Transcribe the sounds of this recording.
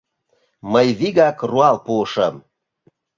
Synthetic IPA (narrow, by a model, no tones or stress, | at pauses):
məjβiɣɑkruɑlpuəʃəm